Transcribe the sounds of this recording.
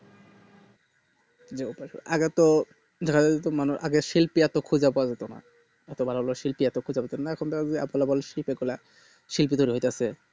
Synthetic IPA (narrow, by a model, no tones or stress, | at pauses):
d͡ʑeupaʃo̰ʔaɡeɛt̪o | dʱakʰaeet̪omanuʃʔaɡeʃilpiɛt̪okʰud͡ʑapɔad͡ʑet̪ona̰ | ɛt̪obʱalaoloʃilpiɛt̪okʰud͡ʑabɔt̪oonaɛkʰonbɛkʰaea̰pɔlabɔleʃilpeɡula | ʃilpit̪ojɾiɦojt̪easʰe